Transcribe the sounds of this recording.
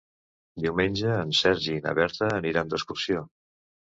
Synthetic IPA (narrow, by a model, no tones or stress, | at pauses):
d̪iwmenʲd͡ʒəːnsɛɾʒinə̰βɛɾt̪əːniɾand̪əskursio